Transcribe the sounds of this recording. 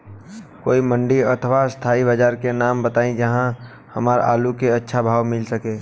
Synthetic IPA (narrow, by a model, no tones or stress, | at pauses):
ko̰ːimə̃ɳɖiət̪ʰəʋast̪ʰaːibəd͡ʒaːɾkenaːmbət̪aːĩd͡ʒəɦã | həmaːɾa̰ːlukeətːʃʰabʱaːʋmɪlsəkeː